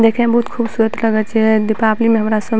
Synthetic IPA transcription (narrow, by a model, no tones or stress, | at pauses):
d̪ekʰẽbəɦut̪kʰubsuɾət̪ləɡət͡ʃʰɛd̪ipaplimeɦəmɾasəb